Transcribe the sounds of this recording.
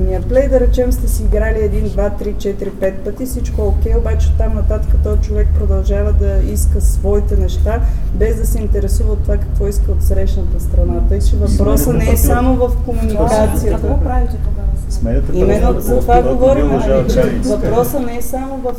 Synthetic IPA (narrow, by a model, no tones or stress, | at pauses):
miəplɛjd̪ɐɾɛt͡ʃɛmst̪ɛsiːɡɾaliɛd̪ind̪vat̪ɾit͡ʃɛt̪ɾipɛt̪pət̪isit͡ʃkoɛokʲɛjobat͡ʃɛot̪amnɐt̪at̪əkət̪ɔit͡ʃovɛk̚pɾod̪ɐlˠʒavəd̪ɐiskəsvɔit̪ɛnɛʃt̪abɛzd̪ɐsɛint̪ɛɾɛsuvəot̪ːovakɐkvɔiskəot̪sɾɛʃnət̪əst̪ɾɐnat̪ɤt͡ʃɛvɐpɾɔsənɛɛsamovɐfkomunikat̪sijəpɾavit̪ɛmɛimɛnːozɐt̪vaɡɡovɔɾimɛnɐlit͡ʃɛvɐpɾɔsənɛɛsamovɐf